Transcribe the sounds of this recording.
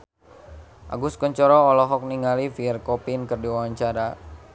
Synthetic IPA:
ʔa̰ɡuskɔɲt͡ʃɔɾɔːlɔɦɔk̚niŋalifiɛrkɔpinkərdiwawaɲt͡ʃaɾa

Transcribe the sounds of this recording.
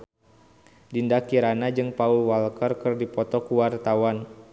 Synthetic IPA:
dindakiɾanad͡ʒɨŋpaulwalkərkɨrdipɔt̪ɔkuwart̪awan

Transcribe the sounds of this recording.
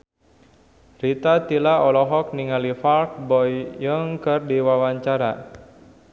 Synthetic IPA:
rit̪at̪ilaɔlɔɦɔk̚niŋalifalk̚bɔjjəŋkərdiwawaɲt͡ʃaɾa̰

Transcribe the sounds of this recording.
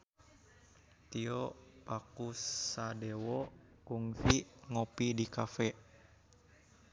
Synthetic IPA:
t̪iɔpakusadɛwɔkuŋfiŋopidikafɛ

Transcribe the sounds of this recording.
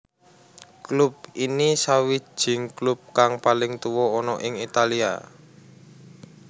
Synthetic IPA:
klup̚inisawi̥ʒ̥ɪ̤ŋklup̚kaŋpalɪŋt̪uwɔːnɔʔɪŋit̪alia̰

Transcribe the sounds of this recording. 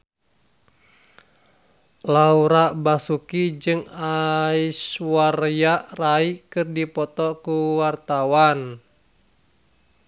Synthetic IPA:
lauɾaʔbasukid͡ʒɨŋaiswarjaʔraikɨrdipɔt̪ɔkuwart̪awan

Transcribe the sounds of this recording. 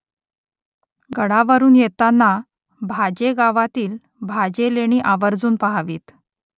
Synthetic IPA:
ɡəɽaʋəɾuːnjet̪anːa | bʱad͡ʑeɡaʋat̪iːl | bʱad͡ʑeleɽ̃iːʔaʋəɾd͡zuːnpaɦaʋḭːt̪

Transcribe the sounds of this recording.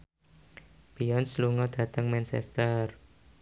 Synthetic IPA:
b̥iɔnsluŋɔd̪̥ä̤t̪əŋmɛnt͡ʃɛ̰st̪ər

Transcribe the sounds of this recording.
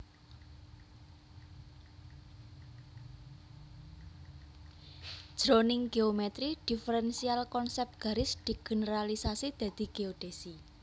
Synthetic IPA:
d̥ʒ̥ɾonɪŋɡeomɛt̪ɾiɖ̪̥i̤fəɾɛnsialkɔnsɛp̚t̪̚ɡ̥a̤ɾɪsd̪̥i̤ɡ̥ə̤nəɾalisasid̪̥ä̤d̪̥i̤ɡ̥eod̪̥esi

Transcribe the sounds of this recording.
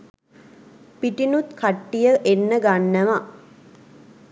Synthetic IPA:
piʈinut̪kʰaʈːijəʔenːəɡanːəʋa

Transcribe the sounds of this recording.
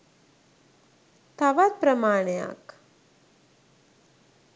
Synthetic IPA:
t̪ʰaʋat̪̚pɾɐmaːɳ̃eja̰k

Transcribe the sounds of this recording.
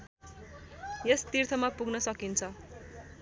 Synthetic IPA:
jest̪irt̪ʰʌmapuɡnʌsʌkint͡sʰʌ

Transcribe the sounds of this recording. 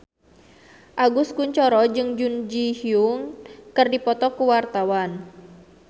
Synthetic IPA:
ʔaɡuskuɲt͡ʃɔɾɔd͡ʒɨŋd͡ʒund͡ʒihiuŋkɨrdipɔt̪ɔkuwart̪awan

